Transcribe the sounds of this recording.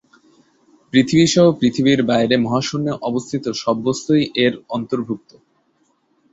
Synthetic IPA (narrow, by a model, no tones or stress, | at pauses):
pɾit̪ʰibiʃɔɦopɾit̪ʰibiɾbaeɾemɔɦaʃunːeʔɔbost̪ʰit̪oʃɔbːost̪ojʔeɾɔnt̪oɾbʱuk̚t̪o